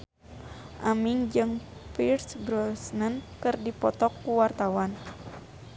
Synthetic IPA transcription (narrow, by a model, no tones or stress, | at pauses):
ʔamiŋd͡ʒɨŋpirsbɾɔsnənkɨrdipɔt̪ɔkːuwart̪awan